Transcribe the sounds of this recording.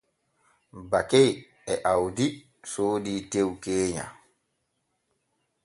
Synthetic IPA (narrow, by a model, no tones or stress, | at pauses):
bakej | ɛʔawdi | soːdiːtewkeːɲa̰